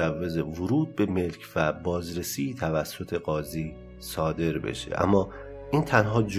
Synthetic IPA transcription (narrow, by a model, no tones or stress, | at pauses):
ævːe̞zevoɾuːd̪̚be̞me̞lcʰvæbɒːzɾe̞siːt̪ʰævæsːo̞t̪ʰe̞ɣɒːziː | sɒːd̪e̞ɾbḛʃḛʔæ̰mːɒː | ʔiːnt̪ʰænɦɒːd͡ʒ